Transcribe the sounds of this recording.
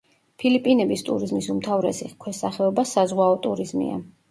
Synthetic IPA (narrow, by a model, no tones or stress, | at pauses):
pʰilipʼinɛbist̪ʼṵɾizmisumt̪ʰavɾɛ̰sḭχkʰwɛsaχɛɔbasazʁwaɔt̪ʼuɾizmḭa̰